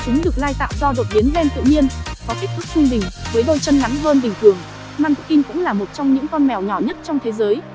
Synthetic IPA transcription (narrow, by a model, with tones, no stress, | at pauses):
t͡ɕʊ˨˦ŋɗɨ˨˩ək̚laː˧jt̪a̰ː˧˨wzɔ˧ɗo˨˩t̚ɓi˨˦ənzɛ˧nt̪ɨ̰˧˨ɲi˧ənkɔ˨˦ki˦˥k̚t̪ʰɨ˦˥k̚t͡ɕɨ˧ŋɓï˨˩ŋ̟vəː˨˦jɗo˧jt͡ɕə˧nŋa˨˦ŋɦəː˧nɓï˨˩ŋ̟t̪ʰɨ˨˩əŋ | maː˧nku˨˧˩ki˧ŋkʊ̰˧˥ŋ͡mlaː˨˩mo˨˩t̚t͡ɕɔ˧wŋ͡mɲɨ̰˧˥ŋkɔ˧nmɛ˨˩wɲɔ˧˩ɲə˦˥t̚t͡ɕɔ˧wŋ͡mt̪ʰe˨˦zəː˨˦j